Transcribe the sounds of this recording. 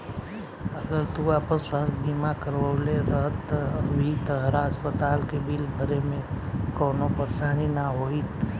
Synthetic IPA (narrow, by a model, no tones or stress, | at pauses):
əɡəɾt̪uapəɾswaːst̪bʱimakəɾʋəleɾəɦt̪əbʱit̪əɦɾaəspət̪aːlkebilbʱəɾemẽkoːnopəɾsaːñinaɦoit̪